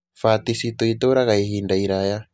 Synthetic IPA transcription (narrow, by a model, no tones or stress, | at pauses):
fatisit̪oit̪oɾaɣaihiːndaiɾaja